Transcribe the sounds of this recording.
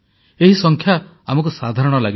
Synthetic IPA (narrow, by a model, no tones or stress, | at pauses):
eɦisɔŋkʰja | amɔk̬usad̪ʱaɾɔɽ̃ɔlaɡi